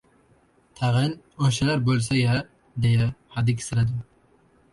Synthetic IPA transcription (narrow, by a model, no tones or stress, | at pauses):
t̪ʰaʁɪn | oʃalaɾbolˠsaja | d̪ejahad̪ɪkʲʰɪ̥sɪɾad̪ɪm